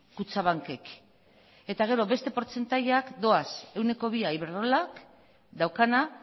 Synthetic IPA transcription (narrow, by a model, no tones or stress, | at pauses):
kut͡saβ̞aŋke̞k | e̞t̪aɣ̞e̞ɾo̞βe̞st̪e̞po̞ɾt͡se̞nt̪aʎeakd̪o̞ase̞wne̞ko̞β̞iajβeɾðolak | d̪awkana